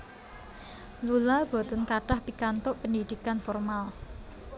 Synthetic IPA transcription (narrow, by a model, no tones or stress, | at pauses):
lulab̥o̤t̪ənkaɖ̥ahpikant̪ʊʔpəndid̪̥ikanfɔrmal